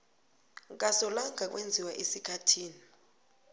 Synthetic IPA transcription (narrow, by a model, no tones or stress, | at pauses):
k̬asɔlaŋak̬wend͡zʱiwaʔesikʰatʰiːni